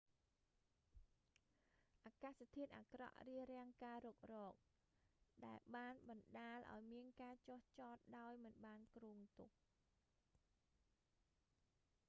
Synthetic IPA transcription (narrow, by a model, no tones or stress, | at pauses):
ʔaːkaːst̪ʰiət̪ʔaːkrɑ̰ʔriəɾɛ̆əŋkaːɾoːk̚rɔːk̚ | ɗaɛlɓaːnɓɑnɗaːlʔa̰ɔjmiənkaːt͡ɕoht͡ɕɑːt̪̚ɗaɔjmɨnɓaːnkruːŋt̪uk̚